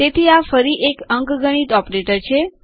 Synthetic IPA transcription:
t̪et̪ʰiafəɾiʔekəŋkɡəɽ̃it̪ɔpɾeʈəɾt͡ʃʰe

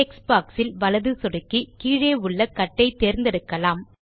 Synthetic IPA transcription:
eksbaːksɪlʋɐlɐðɯsɔɽɯkːikiːɻeːʊɭːɐkɐʈːɐɪt̪eːɾnd̪ɛɽɯkːɐlaːm

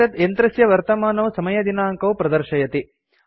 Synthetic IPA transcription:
ɐt̪ent̪ɾɐsjɐʋɐɾt̪ɐmaːnɐʋsɐmɐjɐd̪inaːɐŋkɐʋpɾɐd̪ɐɾʃɐjɐt̪i

